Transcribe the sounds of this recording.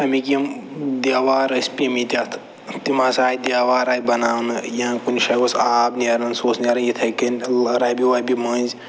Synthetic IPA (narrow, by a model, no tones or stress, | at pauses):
ɐmikiɐmd̪aːʋaːɾɐsʲpʲimit̪ʲat̪ʰ | t̪imasaːjd̪ʲjaːʋaːɾaːjt̪bɐnaːwnɨjãkunʲʃɐkosaːbneɾɐnsoːsnʲeɾɐjit̪ʰɐkɐnʲɾɐbiʋaːbimɐːnz